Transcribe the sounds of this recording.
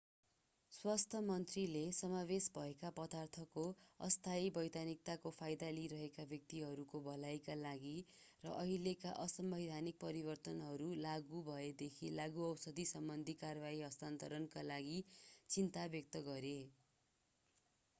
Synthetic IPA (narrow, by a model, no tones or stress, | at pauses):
swast̪ʰʌmʌnt̪rilesʌmabesbʱʌekapʌd̪art̪ʰʌkoʌ̰st̪ʰaibʌjd̪anik̚t̪akopʰajd̪aliɾʌɦekabjʌk̚t̪iɦʌɾukobʌlajkalaɡirʌ̰ʔʌɦilekaʔʌsʌmbʌjd̪ʱanik̚pʌɾibʌrt̪ʌnɦʌɾulaɡubʱʌed̪ekʰilaɡuʌwsʌd̪ʱisʌmbʌnd̪ʱikarbaiɦʌst̪ant̪ʌɾʌnkalaɡit͡sint̪abjʌk̚t̪ʌɡʌɾe